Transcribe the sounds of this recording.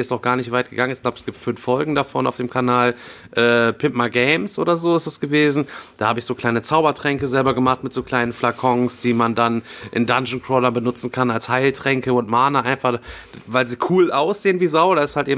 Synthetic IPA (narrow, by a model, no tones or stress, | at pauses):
ɛstaʊxɡ̥aːɐnɪçtv̥aɪt̚ɡ̥əɡaŋənɛçɡ̥laʊbəɛsɡ̥iːp̚tfʏnfːɔlɡŋ̩dafɔ̰ːnaʊfd̥eːmkʰanaːl | ʔɛːpʰɪpmaɡɛɪmsʔo̰ːdɐzoːɪstasɡ̥əveːzn̩d̥aːhaːbəɪçz̥oːkl̥aɪnət͡saʊbɐtʁ̥ɛŋkəzɛlbɐɡəmaχtmɪtz̥oːkl̥aɪnənflakʰɔŋsd̥iːmandanʔɪ̰ndand͡ʒn̩kʰʁ̥ɔːdɐbənʊt͡sn̩kʰanalshaɪltʁ̥ɛŋkəʊntmaːnəʔaɪnfaχvaɪlziːkʰuːlʔaʊsz̥eːənviːzaʊdaːɪsthaltʔeːbm